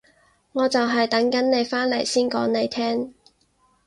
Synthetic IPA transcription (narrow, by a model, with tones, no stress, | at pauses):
ŋɔː˨˧t͡sɐ˨wɦɐ˨jt̪ɐ˨˥ŋkɐ˨˥nne˨˧jfaː˥nlḛ˨˩jsiː˥nkɔ̰ː˨˥ŋne˨˧jt̪ʰɛː˥ŋ